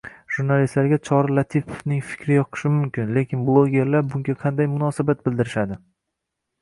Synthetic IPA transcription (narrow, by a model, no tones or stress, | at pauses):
ʒ̥uɾnalist̪laɾɡʲat͡ʃʰɒɾɪlˠat̪ʰipʰo̥fnɪŋfɪ̥kʲɾɪjɒqʰɨ̥ʃɪmʊmkʲʰɪnle̞kʲɪnblˠoɡʲe̞ɾlaɾbʊŋɡʲaqʰɑnd̪ajmʊnɒsabat̪̚bɪld̪ɪɾɪʃad̪ɪ